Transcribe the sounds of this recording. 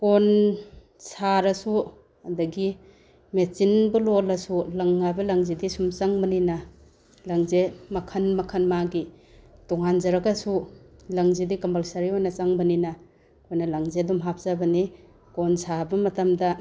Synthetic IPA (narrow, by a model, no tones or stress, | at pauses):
kon | saɾɐsu | ɐdɐɡi | met͡ʃinbulolɐsulɐŋːajbɐlaŋzidisumt͡ʃaŋbɐninɐ | laŋzemɐkʰɐnmɐkʰɐnmaɡi | tɔŋanzɐɾɐkɐsulaŋzidikɐmbalsaɾiojnɐt͡ʃaŋbɐninɐ | kʰojnɐlaŋzedumɦap̚ʰzabɐni | konsʰabɐmɐtamdɐ